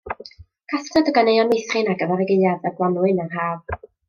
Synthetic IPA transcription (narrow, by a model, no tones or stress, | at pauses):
kʰastʰɔdəɡanejɔnejθrɨnaɡəvɛɾəɡejaðaɡwˠanwɨnarɦaːv